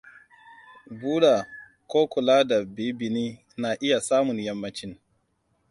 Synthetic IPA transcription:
buː˦ɗa˨ | koː˦kʷʊ˨laː˦da˨bi˦bɪ˨niː˦ | na˨ʔɪ˦ja˨saː˦mʊ˨njɐ˦mːɐ˦t͡ʃɪ˦n

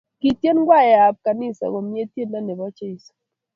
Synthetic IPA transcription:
ki˨tje˦nɡwa˦˨jɛ˨a˨b̚ka˨nɪ˦sɔ̰˨ɡɔ˨mje˦tje˦nna˦ne˨bɔ˦t͡ʃe˦i˨s

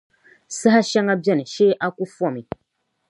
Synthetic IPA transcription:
sɨ˦ha˦ʃa˦ŋa˦bjɛ˦˨ni˨ʃe˦ʔa˦ku˦fɔ˦˨mi˨

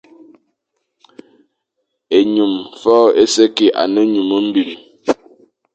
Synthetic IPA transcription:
e˨ɲu˨mfɔː˦˨e˦sɛ˦ke˨ʔa̰˨nə˦ɲu˨mo˦m̩˦bi˨li˨

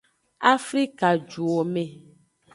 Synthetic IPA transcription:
a˦fɾi˦ka˨d͡ʒu˨o˨me˨

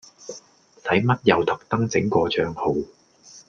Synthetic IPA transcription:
sɐ˨˥jmɐ˥t̚jɐ˨wt̪ɐ˨k̚t̪ɐ˥ŋt͡sɪ˨˥ŋkɔː˧t͡ʃœː˧ŋho˨˧w

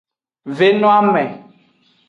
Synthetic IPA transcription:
ve˦nɔ̃˦a˦mɛ̃˨

